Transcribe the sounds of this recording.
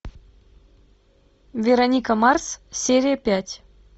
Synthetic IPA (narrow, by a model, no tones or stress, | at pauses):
vʲeɾonʲikamɑrssʲeɾʲijəpʲætʲ